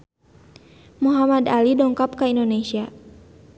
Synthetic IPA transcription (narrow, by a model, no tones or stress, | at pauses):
muɦamadalidɔŋkap̚kaindonesia